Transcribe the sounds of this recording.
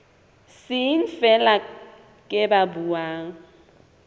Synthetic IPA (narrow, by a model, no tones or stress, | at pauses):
sɪn̩fɛla | kʼɪbabuwaːŋ̩